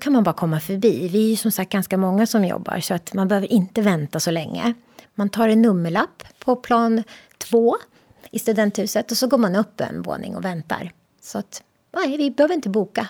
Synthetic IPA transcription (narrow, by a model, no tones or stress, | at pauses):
kʰanmanbɑːɾakʰɔmːafœɾbiːvɪæɾjɵsɔmsak̚t̪̚ɡanskamɔŋːasɔmjɔ̰bːa̰ɾʂɔat̪manbɛhøːvəɾʔɪnt̪əvɛnt̪asɔlɛŋːə̰ | mant̪ʰɑːɾɛnːɵmːəɭapːʰɔpʰlɑːnt̪ʰv̥oː | ɪst̪ɵd̪ɛnt̪hʉ̟ːsət̪ɔsɔɡoːɾmanɵpːɛ̰nvo̰ːnɪ̰ŋɔ̰vɛnt̪a̰ɾ | sɔat̪ | nævɪbɛhøːvəɾɪnt̪əbuːka